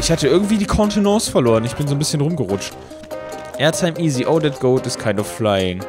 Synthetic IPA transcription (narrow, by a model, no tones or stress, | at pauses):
ʔɪçhatəʔɪɐɡŋ̩tv̥iːdiːkʰɔntʰinɔːsfɛɐloːʁənɪçb̥ɪnzoːnbɪsçənʁʊmɡəʁʊt͡ʃt | ʔɛɐtʰaɪmʔiːziʔoʊdɛt̚ɡ̥oʊltɪstkʰaɪndɔfːlaɪɪŋ